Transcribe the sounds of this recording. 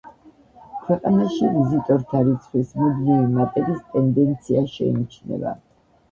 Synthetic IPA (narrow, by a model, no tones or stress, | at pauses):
kʰwɛqʼanaʃivizit̪ʼɔɾt̪ʰaɾit̪sʰχwismɔd̪livimat̪ʼɛɾist̪ʼɛnd̪ɛnt̪sʰiaʃɛ̰ḭnit͡ʃʰnɛ̰ba̰